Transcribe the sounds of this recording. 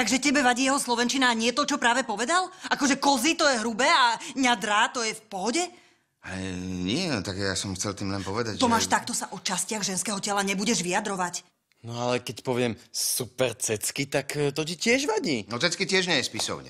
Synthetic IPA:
t̪aɡʒɛcɛbɛʋaɟiːjɛɦɔslɔʋɛnt͡ʃinaːɲɪɛt̪ɔt͡ʃɔpɾaːʋɛpɔʋɛd̪alʔakɔʒɛkɔzit̪ɔjɛɦɾubɛːaɲad̪ɾaːt̪ɔjɛfpɔɦɔɟɛ | aɲɪɛt̪aɡjasɔmxt͡sɛlt̪iːmlɛnpɔʋɛd̪a̰ɟt̪ɔmaːʃt̪ak̚t̪ɔsaʔɔt͡ʃascɪaɣʒɛnskɛːɦɔcɛlaɲɛbuɟɛʒʋiad̪ɾɔʋac | nɔalɛkɛcpɔʋɪɛmsupɛɾt͡sɛt͡skit̪akt̪ɔcitɪɛʒʋaɟiːnɔt͡sɛt͡skitɪɛʒɲɛjɛspisɔ̰ʊɲɛ̰

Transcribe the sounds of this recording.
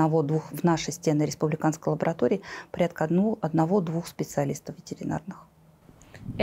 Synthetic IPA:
ɐvod̪vuxvnaʂəjsʲtʲe̞nɨɾʲɪspʊblʲɪkanskəjlˠəbəɾɐt̪oɾʲɪːpɐɾʲat̪kəuɐd̪nɐvo̞d̪vuxspʲɪt̪sɨɐlʲist̪əfvʲɪtʲɪɾʲɪna̰rnɨx

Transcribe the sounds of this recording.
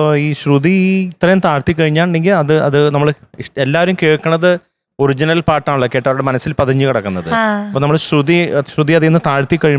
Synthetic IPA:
iːɕruðiit̪rɐjumt̪aːɻt̪ːikːɐɻiɲːaːɳɳɖeŋɡilɐðɨɐðɨnɐmːɐɭ | ʂelːaːʋɐɾumkeːɻkːɐɳːɐðɨ | o̞ɾid͡ʑinɐlpaːʈːaːɭɭokːejɐʈːaʋɐɾuɽemɐnɐsːilpɐðɐɲːɨkɐɽɐkːunːɐðɨɐɐpoːnɐmːɐɭɕruðiɕruðiɐðenːɨt̪aːɻt̪ːikːɐɻiu

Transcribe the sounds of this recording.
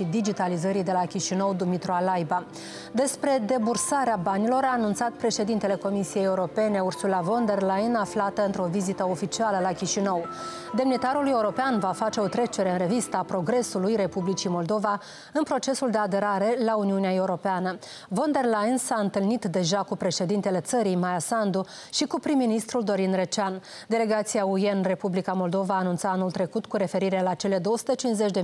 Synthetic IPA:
id̪id͡ʒit̪alizəɾid̪e̞lakʲiʃinəwd̪umit̪ɾoalajba | d̪e̞spɾe̞d̪e̞bursaɾeabanilo̞ɾaːnunt̪sat̪pɾe̞ʃe̞d̪int̪e̞le̞ko̞misije̞jeuɾo̞pe̞ne̞ursulavo̞nd̪e̞rlajnaflat̪əɨnt̪ɾo̞vizit̪əo̞fit͡ʃialəlakʲiʃinəw | d̪e̞mnit̪aɾuluje̞uɾo̞peanvafat͡ʃe̞o̞t̪ɾe̞t͡ʃe̞ɾe̞ɨnre̞vist̪əapɾo̞ɡɾe̞sulujɾe̞publit͡ʃimo̞ld̪o̞va | ɨnpɾo̞t͡ʃe̞suld̪e̞ad̪e̞ɾaɾe̞launiuneae̞uɾo̞peanə | vo̞nd̪e̞rlajinsaɨnt̪ɨlnit̪d̪e̞ʒakupɾe̞ʃe̞d̪int̪e̞le̞t̪səɾijmajasand̪u | ʃikupɾimːinist̪ɾuld̪o̞ɾinre̞t͡ʃan | d̪e̞le̞ɡat̪siaujenre̞publikamo̞ld̪o̞vaːnunt̪saanult̪ɾe̞kut̪kuɾe̞fe̞ɾiɾeelat͡ʃe̞le̞d̪o̞wəsu̥t̪ət͡ʃinsze̞t͡ʃʲd̪e̞

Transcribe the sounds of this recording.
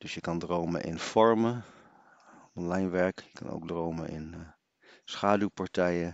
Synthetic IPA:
d̥ɵsjəkɑndrowmə̰nʔɪ̰nfɔɹmə | ɔnlɑjnʋɛɹkjəkɑ̰no̰wɡ̚drowmənʔɪ̰n | sχaːdupaɹtɛjə

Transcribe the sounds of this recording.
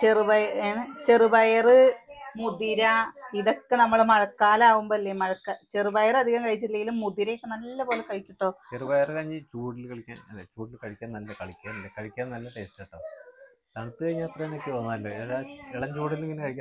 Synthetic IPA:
t͡ɕerɨbɐjɐenet͡ɕerɨbɐjɐrɨmuðiɾɐiðo̞kːenɐmːɐɭmɐɻɐkːaːlaːʋumboːilːemɐɻɐkːɐt͡ɕerɨbɐjɐrɐd̪ʱiɣɐmkɐɻit͡ɕːilːɐŋɡilumːud̪iɾɐjokːenɐlːɐpo̞ːlekɐɻikʲːiʈːo̞ːt͡ɕerɨbɐjɐrɨkɐɲːɨt͡ɕuːɽilkɐɻikʲːa̰ːmet͡ɕuːɽilkɐɻikʲːaːnnɐlːɐkɐɻikʲːaːnɐlːɐkɐɻikʲːaːnnɐlːɐʈesteːʈːɐ | t̪ɐɳt̪ːɨkɐjɲːaːɐt̪rɐenokʲːɨʋɐnːaːɐlːo̰eɻɐeɭɐɲd͡ʑuːɽileŋːinɨkɐɻikʲː

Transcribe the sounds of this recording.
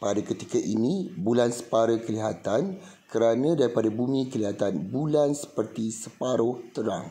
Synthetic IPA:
padakət̪ikaʔḭnĩbulansə̥paɾakəliɦat̪an | kəɾanãdaɾipadabumĩkəliɦat̪anbulansə̥pərt̪isəpaɾʊht̪əɾa̰ŋ

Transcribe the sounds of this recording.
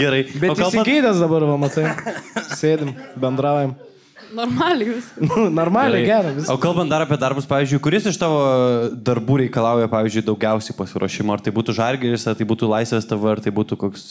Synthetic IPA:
ɡʲɛɾɐɪbʲɛtoːɪkɐlˠsʲɪɐɡʲɛɪd̪ʲɛsd̪ɐbɐɾʋɐmɐt̪ɐɪsʲeːd̪ʲɪmbʲɛnd̪ɾɑʊjɛm | noːrmɑːlʲɪʋʲɪsnʊnoːɾmɑːlʲɪɡʲæːɾɐʋʲɪsoːkɐlˠbɐnt̪̚d̪ɐɾɐpʲiɛd̪ɐɾbʊspɑːʋʲizʲd͡ʒʊɪkʊɾʲɪsɪʃt̪ɑːʋoːd̪ɐɾbuːɾʲɛɪkɐlˠɑʊjɛpɑːʋʲiːzʲd͡ʒʊɪd̪ɐʊɡʲɛʊsʲɛɪpɐsʲɪɾoːʃʲɪmoːɐɾt̪ɐɪbuːt̪uʒɐɾʲɡʲɪlʲɪsʲɐrt̪ɐɪbuːt̪uːlˠɐɪsʲʋʲeːst̪ɐʋɐɐɾt̪ɐɪbuːt̪uːkoːks

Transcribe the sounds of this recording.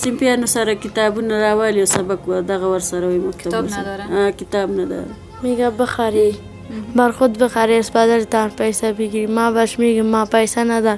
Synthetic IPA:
sɪmpjɑnosaɾakɪt̪ɑbunaɾɑwɑliawsabakwad̪aɣawaɾsaɾawajmʊk̚t̪aasaakɪt̪ɑbnad̪a̰ | meɡabəxaɾi | baɾxʊt̪bəxaɾeʊspad̪alt̪apajsabiɡiimɑbaʃmeɡimɑpajsanad̪a

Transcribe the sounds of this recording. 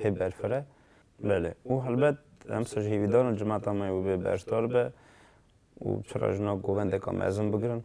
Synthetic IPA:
hebɛɾfɨɾɛ | bɛleuɦɛlbɛt̪̚ɛ̰msɑʒheviːd̪ɑːɾɨnd͡ʒɨmɑt̪ɑmɛwəbebɛ̰ɾd̪ɑɾbɛ | ṵt͡ʃʰərɑ̰ʒənɑɡoːvɛnd̪ɛkɑ̰mʔɛ̰zɨnbəɡɾɨn

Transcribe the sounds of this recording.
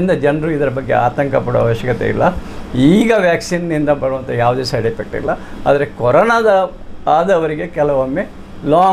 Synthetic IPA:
nd̪ɐd͡ʒɐnɐɾuid̪ɐɾɐbɐɡːe̞̰a̰ːt̪ɐŋkɐpɐɽo̰ʋa̰ːʋɐʃjɐkɐt̪e̞̰ḭlːɐiːɡɐʋjaːksinnind̪ɐbɐɽuʋɐnt̪ʰɐjaːʋud̪esɐjɖipek̚ʈḭlːɐa̰ːd̪ɐɾekɔɾɔnɐd̪ɐ | aːd̪ɐʋɐɾiɡe̞kɛlɐʋɐmːe | laː

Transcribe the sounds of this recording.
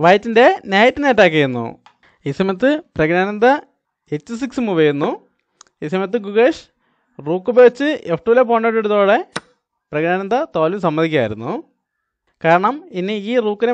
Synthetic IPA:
ʋɐjtːinde̞njaːjɐt̪ːineːʈːaːk̬ːɐɾunːṵ | isɐmɐt̪̬ːɨprɐɡɾaːnɐnd̪ɐ | et͡ɕːɨs̬iksmuʋejunːu | isɐmɐt̪̬ːɨɡuɣeʂ | ruːkːɨbeːt͡ɕːɨʔefʰʈuʋlepoːɳːeʈːeɽut̪o̞ːɽe̞ | prɐɡɳaːnɐnd̪ɐt̪oːlusɐmːɐd̪ikʲːa̰ːjiɾunːṵ | kaːɾɐɳɐminiiːruːkːine

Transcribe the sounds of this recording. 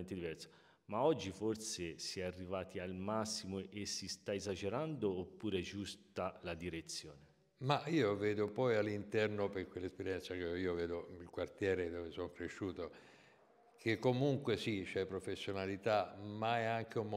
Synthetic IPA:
nt̪ed̪ivɛrso̥ | maɔd͡ʒːiforsesiɛarːivaːt̪ʰialmasːimoʔesːist̪aezad͡ʒeɾand̪oːpːuːɾeɛd͡ʒust̪alad̪iɾet̪sːjɔːne | maiːovɛːd̪opɔjalːint̪ɛrnoperkwelːespeɾjɛnt̪sakeiːovɛːd̪oilkwart̪jɛːɾed̪ovesonkɾeʃːuːt̪o | kʰekːomuŋkwesit͡ʃɛpːɾofesːjonalit̪amaɛaŋk̟eum

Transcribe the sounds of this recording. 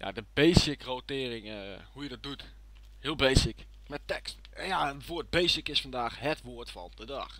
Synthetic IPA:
ja̰dəbejsɪkrotɪərɪŋhujədɔt̚dut | hɪəlˠbejsɪk | mɛtɛkst | jaənʋoət̚bejsɪkɪsfɑndaːxhɛtʋoətfɔ̰lp̚dədɑ̰x

